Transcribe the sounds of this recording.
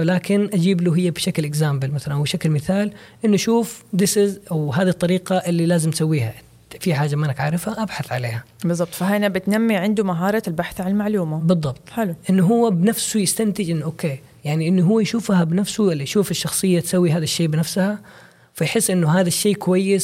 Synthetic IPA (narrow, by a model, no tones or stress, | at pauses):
laːkɪnʔad͡ʒiːbluɦɪjːabʃaklʔɪɡzaːmbɪlmaθalanʔawbʃaklmɪθaːl | ʔɪnːʔaʃuːfd̪ɪsɪzʔawɦaːd̪it̪ˤːɑɾiːqaʔɪlːilaːzɪmt̪sawːiːhaʔ | fiħaːd͡ʒamanːakʕaɾˤɪfhaʔabħaθʕa̰leːha | bɨðˤːɑb̚t̪ˤfaɦanabɪt̪namːiʕɪnd̪umaɦɑːɾˤɑlbaħθʕanɪlmaʕluːmabɨðˤːɑbt̪ˤħɪluʔɪnːʊɦʊwːabɪnafsujɪst̪ant̪ɪd͡ʒʔɪnːʔoːkːeː | jaʕniʔɪnːuɦʊwːajʃuːfhabɪnafsuʔɪlːiʃuːfɪʃːɑxsˤɨjːat̪sawːiɦaːðaʃːeːbɪnafsha | fajħɪsːʔɪnːʊɦaːðaʃːeːkʊwajːɪs